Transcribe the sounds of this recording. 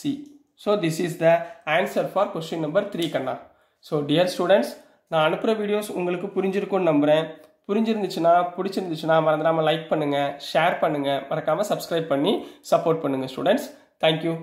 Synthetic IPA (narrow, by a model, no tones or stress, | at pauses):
siː | soːd̪ɪsisd̪ɐaːnsɐɾfaːɾkɛsʈɪnnɐmbɐɾt̪ɾiːkɐɳːã̰ː | soːɖɪjɐɾsʈuːɽɛɳʈs | nãːɐnɯpːɯɾɐʋiːɽɪjoːsʊŋɡɐɭɯkːɯpʊɾɪɲd͡ʒɪɾɯkːõnnɐmbɪɾẽːpʊɾɪɲd͡ʒɪɾɯnd̪ɯt͡ʃːɯnaːpʊɽɪt͡ʃːɪɾɯnd̪ɯt͡ʃːɯnːaːmɐɾɐnd̪ɾaːmɐlɐɪk̚pɐɳːɯŋɡɐʂeːɾpɐɳːɯŋɡɐmɐɾɐkːaːmɐsɐbskɾɐɪb̚pɐɳːisɐpoːɾʈ̚pɐɳːɯŋɡɐsʈṵːɽɛɳʈs | t̪ʰɛːŋkjuː